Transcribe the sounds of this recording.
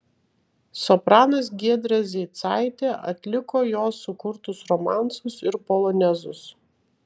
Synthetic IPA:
sɔpɾɑːnɐsɡʲiɛd̪ɾɐzʲɛːt̪sɑɪt̪ʲeːʔɐ̰t̪ʲlʲɪkoːjoːsːʊkʊɾt̪ʊsɾɔmɑˑnˑt̪sʊsɪɾpɔlˠɔnʲɛzʊs

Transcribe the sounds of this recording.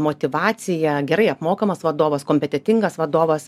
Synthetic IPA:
moːt̪ʲɪʋɑːsʲɪjɛɡʲɛɾɐɪɐpmoːkɐmɐsʋɐd̪oːʋɐskoːmʲpʲɛt̪ʲɛt̪ʲɪŋɡɐsʋɐd̪oːʋɐs

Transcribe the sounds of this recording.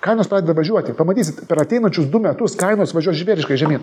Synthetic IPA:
kɐɪnoːspɾɑːdʲeɛd̪ɐʋɐʒʲuɔt̪ʲɪpɐmɐt̪ʲiːsʲɪt̪pʲɛɾɐt̪ʲɛɪnɐnʲt͡ʃʲʊsd̪ʊmʲɛt̪ʊskɐɪnoːsʋɐʒʲuɔʒʲʋʲeːɾʲɪʃkɐɪʒʲɛmʲiːn

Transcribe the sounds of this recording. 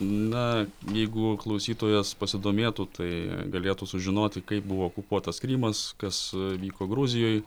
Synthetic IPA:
nɐjɛɪɡʊklˠɐʊsʲiːt̪oːjɛspɐsʲɪd̪oːmʲeːt̪ʊt̪ʰɐɪɡɐlʲeːt̪ʊsʊʒʲɪnoːt̪ʲɪkɐɪp̚bʊʋoːokʊpuɔt̪ɐskɾʲiːmɐskɐsʋʲiːkoːɡɾʊzʲɪjoːj

